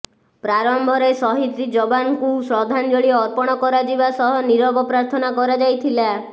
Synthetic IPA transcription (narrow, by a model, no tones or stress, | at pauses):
pɾaɾɔmbʱɔɾejsɔɦit̪ɾid͡ʒɔbankusɾɔd̪ʱand͡ʒɔɭiɔːɾpɔɽ̃ɔkɔɾad͡ʒibasɔɦɔniɾɔbɔpɾaɾt̪ʰɔnakɔɾad͡ʒajt̪ʰila